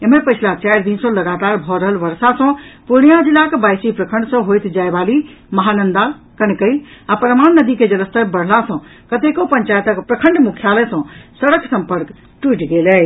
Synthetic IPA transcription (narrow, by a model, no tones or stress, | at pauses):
emepəjt͡ʃʰlat͡ʃajɾd̪insə̃ləɡat̪aɾbʱɔɾəɦəlʋəɾsasə̃punijãd͡ʒilːakebajsipɾəkʰəɳɖsə̃ɦojt̪d͡ʒaebali | məɦanənd̪akənkəjapɾəmannːəd̪iked͡ʒələst̪əbəɽ̤lasə̃ | kət̪ekopəɲt͡ʃajət̪əkpɾəkʰəɳɖmukʰjalɛsə̃səɽəksəmpəɾk | ʈwuiʈɡelɛ